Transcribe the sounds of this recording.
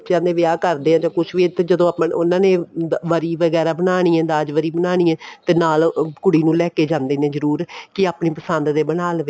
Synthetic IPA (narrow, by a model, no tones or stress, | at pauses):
t͡ʃãːnd̪eːʋɪaːkəɾd̪eːɦãːd͡ʒãːkʊʃʰʋiːt̪ed͡ʒəd̪õːpʊnãːnẽːʋəɾiːʋəɡɛːɾaːbənaːɽ̃ĩːɛ̃ːnd̪aːd͡ʒʋəɾiːbənaːɽ̃iːɛ̃ːt̪eːnaːlkʊɽiːnũːlɛːkeːd͡ʒãːnd̪eːnẽːzəɾuːɾkɪaːpɳĩːpəsənd̪d̪eːbənaːlʋe